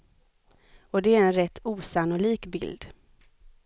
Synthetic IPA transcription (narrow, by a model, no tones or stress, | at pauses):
ɔd̪ɛæɾɛnɾɛt̪ʰːuːsanʊliːkbɪ̰ld̪